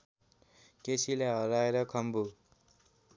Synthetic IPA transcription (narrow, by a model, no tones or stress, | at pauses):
kesʰilaɦʌɾaeɾʌkʰʌmbu